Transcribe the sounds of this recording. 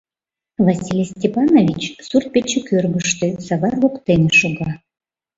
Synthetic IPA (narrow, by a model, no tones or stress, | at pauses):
vasʲilʲsʲtʲepɑnovʲit͡ɕsurt̪̚pʲet͡ɕekʲørɡəʃt̪ø̆sɑβɑrlokt̪enʲeʃuɣɑ